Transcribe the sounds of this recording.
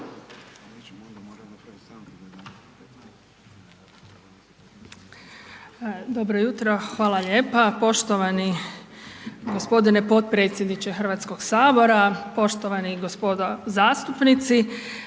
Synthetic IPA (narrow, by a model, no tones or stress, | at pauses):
d̪o̞bɾojut̪ɾoxʋaːlˠaʎe̞ːpapo̞ʃt̪oʋani | ɡospo̞d̪inepo̞t̪̚pɾe̞t̪sʲjed̪nit͡ʃexr̩ʋat̪sko̞ɡsaːbo̞ɾapo̞ʃt̪oʋaniɡospod̪ozaːst̪upnit̪si